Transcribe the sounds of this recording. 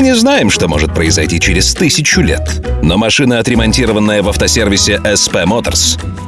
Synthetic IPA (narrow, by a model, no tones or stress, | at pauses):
nʲɪznajɪmʂt̪o̞mo̞ʐɨt̪̚pɾəɪzɐjtʲit͡ɕɪɾʲɪst̪ɨsʲɪt͡ɕʊlʲet̪nomɐʂɨnəɐt̪ɾʲɪmɐnʲtʲiɾəvənːəjəvɐft̪ɐsʲervʲɪsʲɪʔɛspɛmot̪ə̰rs